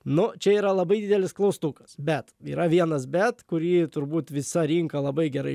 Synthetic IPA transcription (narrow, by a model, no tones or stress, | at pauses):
nʊt͡ʃʲɛiːɾɐlˠɐbɐɪd̪ʲɪːd̪ʲɛlʲɪsklˠɐʊst̪ukɐ̥sbʲɛt̪iːɾɐʋʲiɛnɐsbʲɛt̪kʊɾʲiːt̪ʊɾbuːt̪ʋʲɪsɐɾʲiːŋkɐlˠɐbɐɪɡʲɛɾɐ̰ɪ